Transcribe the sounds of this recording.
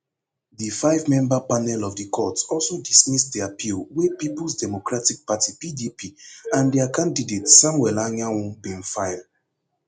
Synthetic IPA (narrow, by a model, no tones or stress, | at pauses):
difaɪvmɛ̃mbapanɛlɔvdikʰɔtɔlsodismisdiapʰilwepipl̩sdɛmokɹatik̚patipidipʰiãndɛakʰãndidetsãmwɛlanãwɔ̃bĩnfaɪld